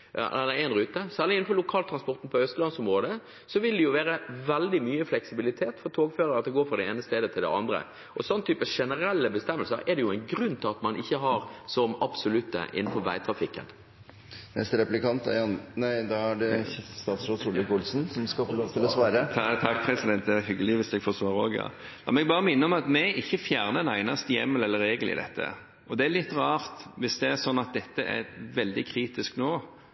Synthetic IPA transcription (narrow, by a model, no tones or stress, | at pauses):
æææɪnɾʉːt̪əsæːʁlɪɪnnfɔlʊkʰɑːlt̪ʰɾɑnspɔɾt̪n̩pʰɔœst̪əlɑnsʊmʁoːd̪ə | sɔʋɪld̪ɛjʊʋeːɾəʋɛld̪ɪmyːəflɛksɪbɪlɪt̪ʰeːt̪fɔɾt̪ʰoːɡføːɾəɾɑt̪̚d̪ɛɡoːfɾʁɑd̪ɛeːnəst̪eːd̪ət̪ʰɪld̪ɛ̰ɑ̰nd̪ɾə̰ | ʔɔsɔnːət̪ʰyːpəʂɛnəɾɛlːəbəst̪ɛmːəlsəɾɛd̪ɛjʊæɪnɡɾʉnːt̪ʰɪlɑt̪mɑnɪçːəɦɑɾsɔmɑbsʊlʉt̪ːə̰ʔɪ̰nn̩fɔɾʋæ̰ɪt̪ʰɾɑfɪkːə̰n | nɛ̰st̪ɾɛplɪkɑnt̪æ̰ɑnnæɪd̪ɑɑɖɛst̪ɑːt̪sɾosulɪkʊlsn̩sɔmskɑfɔlot̪ʰɪlɔsʋɑːɾət̪ʰɑkːpʰɾɛsɪd̪ɛnt̪̚d̪ɛʋɑɦʏɡːəlɪʋɪsd̪ɛɡfosʋɑːɾəoːɡjɑ̰ | ɑmnɛɡbɑːɾəmɪnːəɔmɑt̪mɛɪçːəfjæːʁnənæɪnɑst̪əjɛmːəlɛlːəɾːeːɡəl̩ɪ̰d̪ɛ̰t̪ʰːə̰ | ʔɔd̪ɛælɪt̪ːɾɑːɾt̪ʋɪsd̪ɛæsɔnːɑt̪̚d̪ɛt̪ːəʔæ̰ʋɛld̪ɪkʰɾiːt̪ɪsknoː